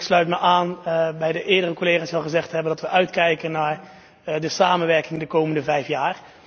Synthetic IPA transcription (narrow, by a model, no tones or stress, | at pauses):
kslœɥtməʔaːnbɛjdəʔɪːɹdərəkoleːχaːsʋɛlˠχəzɛχtɦɛbəndɑtʋəʔœɥtkɛjkənaːɹ | dəsaːmənʋɛɹkɪŋdəkowməndəvɛjfjaːr